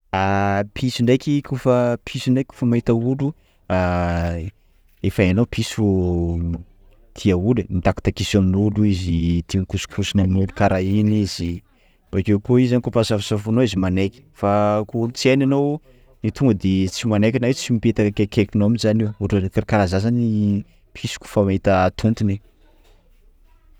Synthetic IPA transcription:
apʰisiɳɖ͡ʐajkʲikʰufəpʰisiɳɖ͡ʐajkʲku̥fəmait̪aulu | a | efananowpʰisu | t̪ʰiaulenind̪aku̥t̪akisoninuluizit̪iŋkusu̥kʰusinaminelukaɾʔainiz̥i | b̥akewkoizanikopasafisafunoizimanekʲi̥fakot͡siananow | nit̪uŋɡəd̪et͡simanekʲanaet͡simipet̪akekekinoaminzaniwuɾekaɾikaɾazazani | pʰisi̥kʲu̥famait̪aːt̪ʰunt̪ine

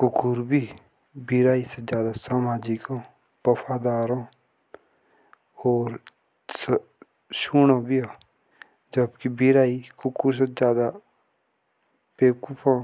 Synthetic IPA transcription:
kʊkʊɾbiː | biɾaːised͡ʒjaːd̪aːsaːmaːd͡ʒɪkõː | pəpʰaːd̪aːɾõː | ɔːɾ | s | ʃuːnãːbiaː | d͡ʒəbkibiɾaːikʊkuɾs̬ed͡ʒjaːd̪a | peːkʊpʰãː

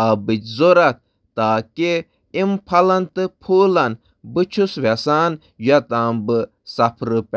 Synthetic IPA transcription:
abɨt͡ʃʲzoɾɐk̚ | t̪aːke | impʰɐlɐnt̪ɨpʰuːlɐn | bɨt͡ʃʰusʋesaːn | jat̪aːmbɨ | sɐpʰɾɨp

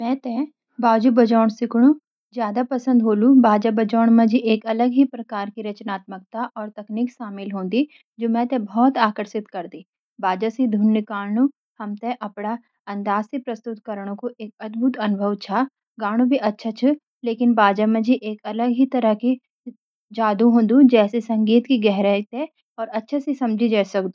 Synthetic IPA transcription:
mɛ̃ːt̪ɛ̃ | baːd͡ʒubɐd͡ʒɔːɽ̃sɪkɽ̃ũ | zjaːd̪apɐsə̃nd̪ɦoːlũbaːd͡ʒabɐd͡ʒɔːɳ̃mẽd͡ʒiʔeːkɐləɡɦipɾɐkaːɾkiɾɐt͡ʃnaːt̪mək̚t̪aʔɔːɾt̪ɐkniːkʃaːmɪlɦõːnd̪i | d͡ʒoːmɛ̃t̪ɛ̃bʱɔːt̪aːkəɾʃɪt̪kɐɾd̪iː | baːd͡ʒasid̪ʱunjəkaːlnũ | hɐmt̪eʔɐpɽ̃a | ɐ̃nd̪aːzsepɾɐst̪ʊt̪kɐɾəɽ̃õkoʔeːkɐt̪bʱut̪ɐnʊbʱəʋt͡ʃʰa | ɡaːɽ̃ũbʱiʔɐtːʃʰat͡ʃʰu | leːkɪnbaːd͡ʒamẽd͡ʒiʔeːkɐləɡɦit̪ɐɾəki | d͡ʒaːd̪uɦõːnd̪ud͡ʒɛːsesɐ̃ŋɡiːt̪kiɡɛɦɾat̪e | ɔːɾɐtːʃʰasisɐ̃md͡ʒʱid͡ʒaːsɐkd̪ũ

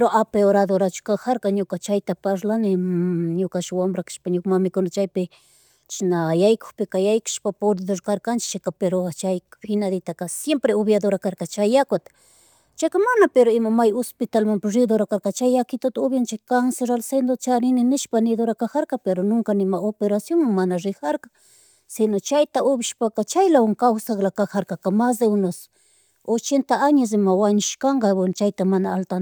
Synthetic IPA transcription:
pɾoʔapeoɾaðoɾat͡ʃʊ̥kaxaɾkaɲʊkat͡ʃajt̪apaʃlanɪɲʊkaʃwambɾakɪ̥ʃpaɲʊkmamɪkʊnat͡ʃajpɪ | t͡ʃnajajko̥xpɪkajajkḁʃpapolid̪oɾkaɾkant͡ʃɪ̥t͡ʃakapeɾot͡ʃajfɪnaðɪt̪akasjempɾeoβjad̪oɾakaɾkat͡ʃajakot̪ | t͡ʃajkamanapeɾoɪmamajospɪt̪almampaɾɪd̪oɾakaɾkat͡ʃajakɪt̪at̪aoβjant͡ʃakanseɾalsend̪ot͡ʃanɪnɪnɪʃpanɪd̪oɾakaxaɾkapeɾonoŋkanɪmaopeɾasjoŋmaŋmanaʐɪxaɾkḁ | sɪnot͡ʃajt̪aʔoβɪʃpakat͡ʃajlawaŋkawsaklakaxaɾkakamasd̪eʊnos | ot͡ʃent̪aaɲas̬ɪmawaɲʊʃkaɴɡɑbwent͡ʃajt̪amanaːlt̪an

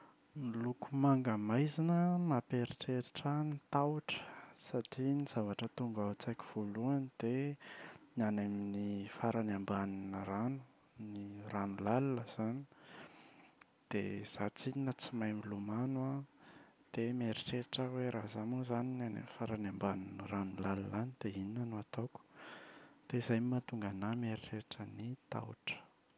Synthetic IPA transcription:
milukumaŋɡəmajzinəmapeɾiʈ͡ʂeɾiʈ͡ʂənit̪awuʈ͡ʂə̥saʈ͡ʂiniz̥avaʈ͡ʂət̪uŋɡat͡sajki̥v̥oluanid̪̥e | nianeminifaɾanambaninəranu̥ | niranulalunəz̥ani̥ | d̪̥ḛz̥at͡sininət͡simajmilumanwa | d̪̥emeɾiʈ͡ʂeʈ͡ʂəweɾazamuzaninianḛmifaɾanambaninəranulalulanid̪̥eininənuat̪oku̥ | d̪̥eizajmimat̪uŋɡanameɾiʈ͡ʂeʈ͡ʂənit̪a̰w̰ʈ͡ʂə̥

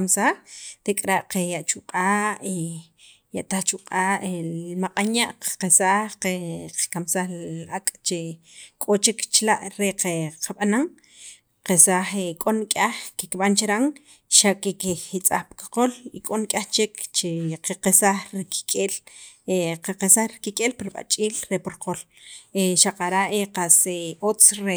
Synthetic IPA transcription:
msaxt̪ekʼɾaʔqejaʔt͡ʃuqʼaːʔe | jaʔt̪axt͡ʃuqʼaːʔelmaqʼaɲaʔqesaxeqḁkamsaxlakʼt͡ʃe | kʼot͡ʃekt͡ʃlaʔɾeqeqʰaɓanaŋ | qesaxekʼonkʼaxkikiɓant͡ʃeɾaŋ | ʃaʔkikiit͡sʼa̰χpi̥kḁqolikʼonkʼaxt͡ʃekt͡ʃeqeqesaχɾiki̥kʼeleqaqesaxɾikikʼeːlpiɾiɓa̰t͡ʃʼiːlɾepoɾqol | eʃaqaɾaʔeqaseot͡sɾe

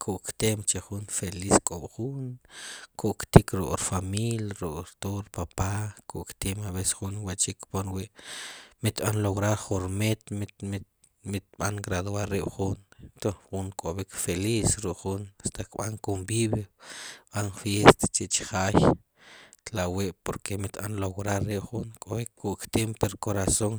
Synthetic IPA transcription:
kʰuʔkt̪emt͡ʃeχunfeliskʼoɓ̥χunkʰuʔkt̪ikɾṵʔʼɾfamiljaɾukʼɾt̪oɾpapakuʔkt̪emaβese̥χunwat͡ʃikːponwiʔmit̪ɓanloɣɾaɾχuɾmet̪m | mit̪̚ɓaŋɡɾaðwaɾːiɓχunt̪oχuŋkʼoβikfelisɾukχunast̪ʰakɓa̰ŋkombiβjoɓanfjest̪ḁt͡ʃiʔt͡ʃi̥χaːj | t̪laweʔpoɾkʰemit̪ɓanlowɾaɾːiɓχuŋkʼoekːuʔkt̪empeɾkoɾasoŋ

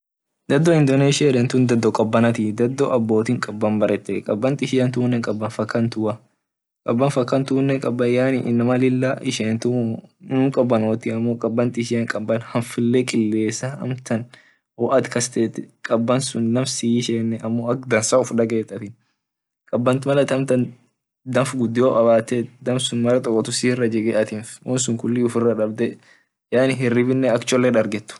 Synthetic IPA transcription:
d̪ɐd̪ːɔɪnd̪ɔneːʃɪɐᶑ̪ɛnt̪ʊnd̪ɐd̪ːɔkʼɐbːɐnɐt̪ɪd̪ɐd̪ːɔʔɐbːo̞ːt̪iːŋkʼɐbːɐnbɐɾʔɛt̪ːɛkʼɐbːɐnt̪ɪɪʃɪjɐnt̪uːnːɛŋkʼɐbːɐnfɐkːɐnt̪ʊʔɐ | kʼɐbːɐnfɐkːɐnt̪uːnːɛŋkʼɐbːɐjaːnɪʔɪnːɐmɐlɪlːɐʔɪʃeːnt̪ʊnʊŋkʼɐbːɐnoːt̪ɪɐmːokʼɐbːɐnt̪ɪɪʃɪjɐŋkʼɐbːɐnhɐnfɪlːɛkʼɪlːe̞ːsɐɐ̰mt̪ɐn | ɔʔɐt̪kɐst̪eːt̪ːɪkʼɐbːɐnsʊnnɐmsiːʃeːnːɛʔɐmːo̞ːɐk̚d̪ɐnsaʊfᶑɐɡeːt̪ːɐt̪ɪn | kʼɐbːɐnt̪ɪmɐlɐt̪ɐmt̪ɐn | d̪ɐmfɡʊd̪ːɪjoːʔʼɐβaːt̪ɛd̪ɐmsʊnmɐɾɐt̪ʼɔkʼːɔt̪ʊsiːrːɐd͡ʒɛɡɛʔɐt̪ɪnfʔɔnsʊŋkʊlːiʊfɪrːɐᶑɐbd̪ɛ | jaːnɪɦɛrːɪbɪnːɛɐkt͡ʃɔlːɛᶑɐɾɡɛt̪ːʊ̥

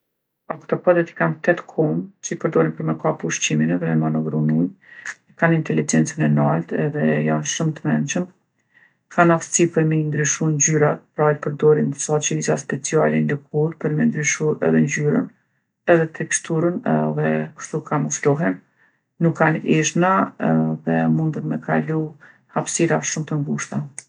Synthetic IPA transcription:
akt̪ɔpɔd̪ɛt̪i̥kant̪ɛt̪kʰɔmt͡ʃəpəɾd̪ɔɾimpəɾmɛkapuʃt͡ɕiminɛðɛmanɔɡɾunuj | ikanint̪ɛlid͡ʒɛnt͡sənɛnalt̪ɛðɛjanʃumt̪əmɛnt͡ʃəm | kanafsipəɾmind̪ɾyʃund͡ʑyɾat̪̚pɾajpəɾd̪ɔɾinsɔt͡ʃəizaspɛt͡sialɛnd̪ɛk̚ʰuɾpəɾmɛnd̪ɾyʃuɾɛ̰ðɛnd͡ʑyɾə̰n | ɛðɛt̪ʰɛkst̪uɾənðɛkə̥ʃt̪ukanɔflɔɦɛnː | ukʰːaniʃnaðɛmund̪əɾmɛkʰalu | hapsiɾaʃumt̪əŋɡuʃt̪a

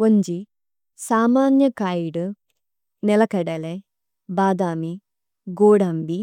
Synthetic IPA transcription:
wɐɲd͡ʒi | saːmaːnjɐkaːjiɽɨ | nɛlɐkɐɽɐle | baːd̪aːmi | ɡoːɽambi

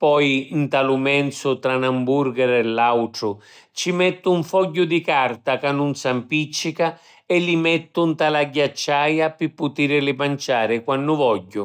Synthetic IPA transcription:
pɔjnt̪alʊmɛnt̪sʊt̪ɾanamburɡɛɾɛlːawʈɾʊ | t͡ʃimɛt̪ːʊuɱfɔɟːʊd̪ikart̪akanːʊnsampit͡ʃːika | ɛlːimɛt̪ːʊnt̪alaɟːat͡ʃːaːjapɪpːʊt̪iːɾɪlɪpant͡ʃaːɾɪkwanːʊvɔɟːʊ

